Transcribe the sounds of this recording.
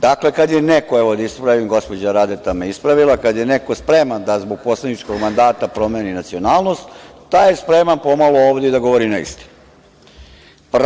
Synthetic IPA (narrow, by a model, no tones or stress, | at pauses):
d̪aklekad̪jenekoeʋo̞d̪aispɾaʋimɡo̞spod͡ʑaɾaːd̪et̪ameispɾaʋilakad̪jenekospɾemand̪azbo̞ɡ̚poslˠenit͡ʃko̞ɡmand̪aːt̪apɾo̞meːninat̪sio̞naːlˠno̞st̪ | t̪ajespɾemanpo̞malooːʋd̪ed̪aɡo̞ʋoɾinaḭst̪i̥n | p